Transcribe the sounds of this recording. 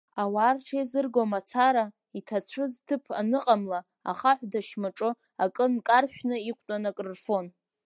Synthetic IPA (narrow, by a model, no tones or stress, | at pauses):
awaːrʈ͡ʂʰajzɨrɡomat͡sʰaɾa | itʰat͡sʷʰʊztʰɨpʰa̰nɨqʼamla | a̰χaħʷdaʃmaʈ͡ʂʼɨ | akʼɨnkʼarʃᶣnɨikʷʰʼtʼanakʼrɨrfo̞n